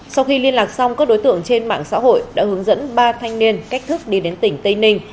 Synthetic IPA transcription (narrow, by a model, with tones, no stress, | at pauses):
sa˧wxi˧li˧ənlaː˨˩k̚sa˧wŋ͡mkaː˦˥k̚ɗo˨˦jt̪ɨ̰˧˨əŋt͡ɕe˧nma̰ː˧˨ŋsa̰ː˧˥ɦo̰˧˨jɗa̰ː˧˥ɦɨ˨˦əŋzə̰˧˥nɓaː˧t̪ʰa˧jŋ̟ni˧ənka˦˥k̟̚t̪ʰɨ˦˥k̚ɗi˧ɗe˨˦nt̪ï˧˩ŋ̟t̪i˧ŋnï˧ŋ̟